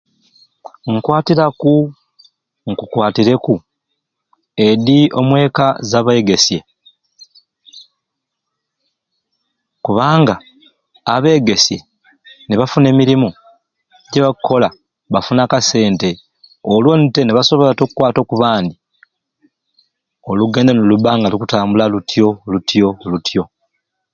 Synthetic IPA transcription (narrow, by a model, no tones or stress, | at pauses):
ŋ̩kwaːtiɾaku | ŋkukwaːtiɾe̞ku | e̞diʔo̞̰mwe̞ːkazaβe̞ɡe̞sje̞ | kuβaːŋɡaː | βe̞ːɡe̞sje̞ | neβafune̞ːmiɾimu | ɟeβakʰːo̞la | βafunaːkase̞ːnte̞ | olwo̞nte̞neβaso̞βo̞latokukwaːto̞kuβaːnd̪i | oluɡe̞ːndanoluβaːŋɡalikutaːmbulalutʰjo̞lutjo̞lutʰjo̞